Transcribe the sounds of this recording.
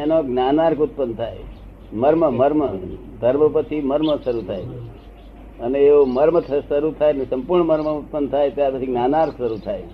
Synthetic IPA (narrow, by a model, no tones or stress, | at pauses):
enoɡnanaɾkʊt̪̚pənd̪̚t̪ʰae | məɾməməɾmə | d̪ʱəɾməpət͡ʃʰiməɾməsəɾut̪ʰajʰe | əneːoməɾmət̪ʰsəɾut̪ʰaenesə̃mpuɾɳəməɾməut̪̚pənd̪t̪ʰaet̪japət͡ʃʰiɡnanaɾksəɾut̪ʰae